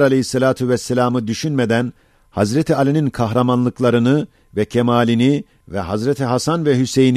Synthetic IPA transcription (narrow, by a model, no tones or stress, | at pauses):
ɾalʲehisːelʲaːt̪ʰyvɛsːelʲaːmɯd̪yʃynmed̪æn | hazɾet̪ʰialʲininkʰaɦɾamanlˠɯklˠaɾɯnɯ | vɛcʰemaːlʲini | vɛ̰ɦazɾet̪ʰiɦasanvɛɦysejin